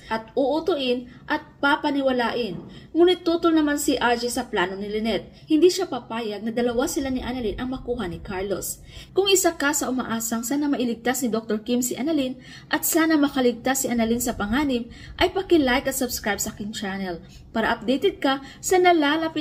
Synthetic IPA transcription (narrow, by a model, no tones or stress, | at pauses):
ʔɐt̪ʊʔʊt̪ʊʔɪnʔɐt̪̚papɐnɪwɐlaːʔɪnŋuːnɪt̪ːuːt̪olnɐmansɪʔaɹd͡ʒɛsɐplaːnoŋnɪlɪnɛt̪̚ | hɪnd̪iʃapapaːjɐɡ̚nɐd̪ɐlɐwasɪlanɪʔanɐlinʔɐŋmɐkuːɦɐnɪkaɹlo̞̰s | kʊŋʔɪsakasɐʔʊmɐ̰ʔaːsɐŋsaːnɐmɐʔɪlɪɡ̚t̪asnɪd̪ok̚t̪oɹkimsɪʔanɐlin | ʔɐt̪̚saːnɐmɐkɐlɪɡ̚t̪asɪʔɐnɐlinsɐpɐŋaːnɪm | ʔɐjpɐkɪlajkɐt̪̚sɐbskɹajb̚sɐkɪŋt͡ʃanɛl | paːɾɐʔɐp̚d̪ɛjt̪ɛd̪̚kɐsɐnɐlaːlɐpɪ